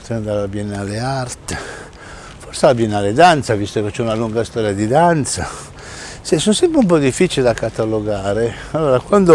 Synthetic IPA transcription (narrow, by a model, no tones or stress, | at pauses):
t̪and̪aɾabjɛnaleart̪e | fɔrsaabjɛnaled̪ant̪savist̪oket͡ʃːɛunaluŋɡast̪ɔːɾjad̪id̪ant̪sa | sɛsonsɛmpɾeump̬ɔd̪ifːit͡ʃiled̪akat̪aloɡaːɾe | alːoːɾakwand̪o